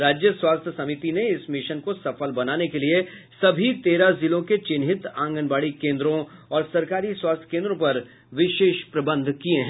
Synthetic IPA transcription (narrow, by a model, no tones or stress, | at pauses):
ɾaːd͡ʒjəswaːst̪ʰjəsɐmit̪ineɪsmɪʃənkosɐfəlbɐnaːnekeliesɐbʱit̪eːɾazɪlõket͡ʃɪnɦɪt̪ãːŋɡənbaːɽikẽːnd̪ɾõɔːɾsɐɾkaːɾiswaːst̪ʰjə̥kẽːnd̪ɾõpɐɾ | ʋɪʃeːʃpɾɐbə̃nd̪ʱkiẽɦɛ̃